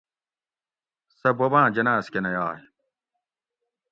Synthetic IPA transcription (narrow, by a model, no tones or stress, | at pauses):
sɐbɐbãːd͡ʑɐnaːskenɐjaːɦi